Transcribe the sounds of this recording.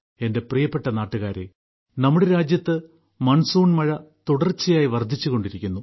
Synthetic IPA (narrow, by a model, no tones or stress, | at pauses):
e̞nde̞prijɐpːe̞ʈːɐnaːʈːuɣaːɾe | nɐmːuɽeɾaːd͡ʑjɐt̪ːɨ | mɐɳsuːɳmɐɻɐt̪uɽɐrt͡ɕːɐjaːjiʋɐrd̪ʱit͡ɕːuɣo̞ɳɖiɾikʲːunːu